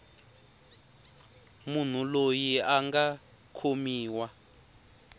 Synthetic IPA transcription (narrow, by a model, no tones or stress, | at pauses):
mun̤ulojiaŋɡa | kʰomiːwa